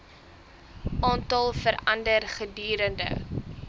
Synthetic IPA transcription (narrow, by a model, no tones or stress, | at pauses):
ʔɑːntɐlˠfəɾɐndərχədyːɾəndə̰